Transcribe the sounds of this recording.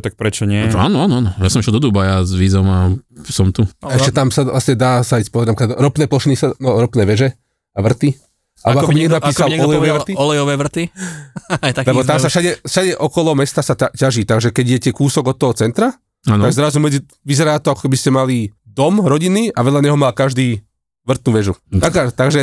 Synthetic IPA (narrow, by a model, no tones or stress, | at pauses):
t̪ak̚pɾɛt͡ʃɔɲɪɛa̰ːnɔaːnɔaːnɔjasɔmʃɛld̪ɔd̪ubajazʋiːzɔmasɔmt̪uaɛʃcɛt̪amsalasɲɛd̪aːsaispɔɛdnapɛkad̪ɾɔpnɛːplɔʃinisanɔɾɔpnɛːʋɛʒɛ | aʋr̩t̪i | ʔa̰lɛbɔakɔbbiɲɛɡnapːiːsalɔlɛjɔɛːʋɾt̪iɔlɛjɔʋɛːʋr̩t̪i | t̪alɛbɔt̪amsafʃaɟɛfʃaɟɛʔɔkɔlɔmɛst̪asaacaʒit̪aɡʒɛkɛɟijɛcɛkuːsɔɡɔt̪ːɔɦɔt͡sɛnt̪ɾa | anaɡzɾazumɛd͡zi | ʋizɛɾaːt̪ɔakɔ̥kɛbiscɛmalid̪ɔmɾɔɟiniʔaʋɛʎaɲɛɦɔmaːkaʒd̪iː | ʋr̩t̪nuːʋɛʒuakat̪aɡʒɛ